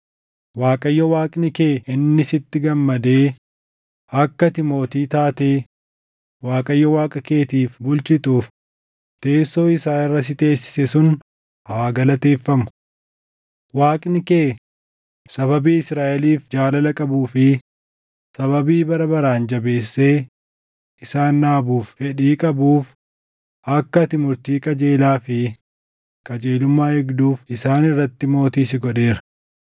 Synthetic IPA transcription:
waːkʼɐjːɔwaːkʼnɪkeːɪnːɪsɪt̪ːɪɡɐmːɐd̪e̞ː | ɐkːɐt̪ɪmo̞ːt̪iːt̪aːt̪e̞ː | waːkʼɐjːɔwaːkʼɐke̞ːt̪iːfbʊlt͡ʃɪt̪uːf | t̪e̞ːsːo̞ːɪsaːɪrːɐs̬ɪt̪e̞ːsːɪ̥sɛsʊn | haːɡɐlɐt̪e̞ːfːɐmʊ̥ | waːkʼnɪkeː | sɐβɐbiːɪsɾaːʔɛliːfd͡ʒaːlɐlɐkʼɐbuːfɪ | sɐβɐbiːbɐɾɐbɐɾaːnd͡ʒɐbe̞ːsːe̞ː | ɪsaːnːaːbuːffɛᶑiːkʼɐbuːf | ʔɐkːɐt̪ɪmʊɾt̪iːkʼɐd͡ʒe̞ːlaːfɪ | kʼɐd͡ʒe̞ːlʊmːaːhɪɡd̪uːfɪsaːnɪrːɐt̪ːɪmo̞ːt̪iːsɪɡɔᶑe̞ːɾɐ̥

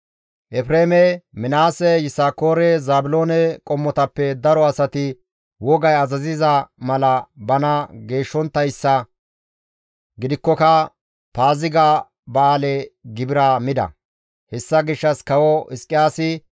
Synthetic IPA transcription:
ʔɛpɾeːmɛmɪnaːsɛjɪsaːkoːɾɛzaːbʊlo̞ːnɛkʼɔmːɔt̪ɐpːɛd̪ɐɾɔɐsɐt̪ɪ | wɔɡɐjɐzɐzɪzɐmɐlɐbɐnɐɡe̞ːʃːɔnt̪ːɐjsːɐ | ɡɪd̪ɪkːɔkɐ | paːzɪɡa | baːlɛɡɪbɪɾamɪd̪ɐ̰ | hɛsːɐɡɪʃːɐskɐwɔʔɪskʼːɪjaːsɪ

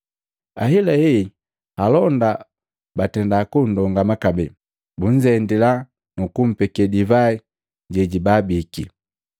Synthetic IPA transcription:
a̰hilaɛi | halɔnda | batɛndakundɔŋɡamakabɛ | buɲd͡ʒɛndila | nukum̩pɛkɛdivai | ɟɛɟibabiki

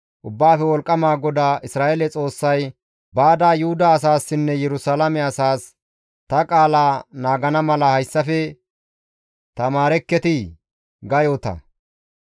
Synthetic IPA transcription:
ʔʊbːaːfɛwɔlkʼːɐmaːɡɔd̪aːʔɪsɾaːʔelɛt͡sʼo̞ːsːɐj | baːd̪aːjʊhʊd̪ɐːs̬aːsːɪnːɛjɛɾʊsalɐmɛɐsaːs | t̪ɐkʼaːlaːnaːɡɐnɐmɐlɐhɐjsːɐfɛ | t̪ɐmaːɾɛkːɛt̪ɪ | ɡɐjot̪ɐ̰

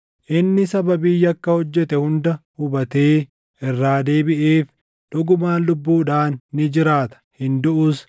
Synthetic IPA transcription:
ʔɪnːɪsɐbɐbiːjɐkːɐhɔd͡ʒːɛt̪ɛhʊnd̪ɐhʊbɐt̪e̞ː | ʔɪrːaːd̪eːbɪʔeːf | ᶑɔɡʊmaːnlʊbːuːᶑaːnːɪd͡ʒɪɾaːt̪ɐ̥hɪnd̪ʊʔʊs

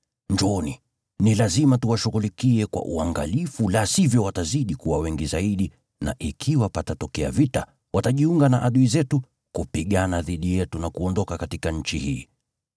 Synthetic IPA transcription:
ɲd͡ʒɔni | nilazimatuwaʃuɣulikiɛkwa̰ʔṵaŋɡa̰lifulasivjɔwataziɗikuwawɛŋɡizaiɗi | na̰ʔikʰiwapatatɔkɛa̰vita | wataʄiuŋɡanaʔaɗuizɛtu | kupiɠanaðiɗijɛtunakuɔndɔkakatikaɲ̩t͡ʃihḭː

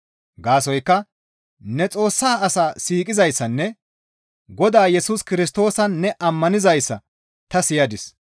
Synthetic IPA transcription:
ɡaːsɔjkːɐ | nɛt͡sʼo̞ːsːaːɐsaːsiːkʼɪzɐjsːɐnːɛ | ɡɔd̪aːjɛsuskɪɾɪs̬t̪o̞ːsɐnːɛʔɐmːɐnɪzɐjsːɐ | t̪ɐsɪjɐd̪ɪs

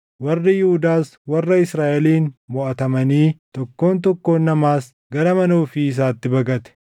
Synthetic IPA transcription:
wɐrːɪjɪhʊd̪aːswɐrːɐɪsɾaːʔɛliːnmɔʔɐt̪ɐmɐniːt̪ɔkːo̞ːnt̪̬ɔkːo̞ːnːɐmaːs | ɡɐɾɐmɐnoːfiːs̬aːt̪ːɪbɐɡɐt̪ɛ̥

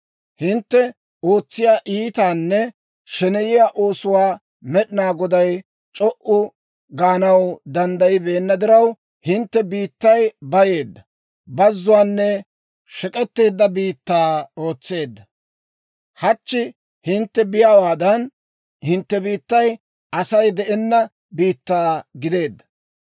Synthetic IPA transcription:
hɪnt̪ːɛ | o̞ːt͡sːɪjaːʔiːt̪aːnːɛ | ʃɛnɛjɪjaːʔo̞ːsʊwaː | mɛɗɪnaːɡɔd̪ɐj | t͡ʃʼɔʔʊ | ɡaːnɐwd̪ɐnd̪ɐjɪbe̞ːnːɐd̪ɪɾɐw | hɪnt̪ːɛbiːt̪ːɐjbɐje̞ːd̪ːɐ | bɐzːʊwaːnːɛ | ʃɛkʼɛt̪ːe̞ːd̪ːɐbiːt̪ːaːo̞ːt͡sːe̞ːd̪ːɐ | hɐt͡ʃːɪ | hɪnt̪ːɛbɪjawaːd̪ɐn | hɪnt̪ːɛbiːt̪ːɐj | ɐsɐjd̪ɛʔɛnːɐ | biːt̪ːaːɡɪd̪e̞ːd̪ːɐ̥

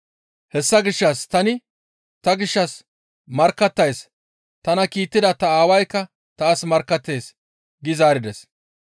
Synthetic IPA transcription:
hɛsːɐɡɪʃːɐst̪ɐnɪ | t̪ɐɡɪʃːɐs | mɐɾkːɐt̪ːɐjs | t̪ɐnɐkiːt̪ːɪd̪ɐt̪ɐaːwɐjkːɐ | t̪aːsmɐɾkːɐt̪ːe̞ːs | ɡɪzaːɾɪd̪ɛs

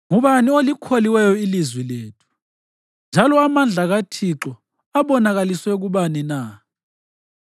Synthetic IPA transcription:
ŋuβaniolikʰoliwɛjɔilizwileːtʰu̥ | nd͡ʒʱalɔamand͡ɮʱaɣatʰiǁɔ | aβɔnaɣaliswɛɣuβanina

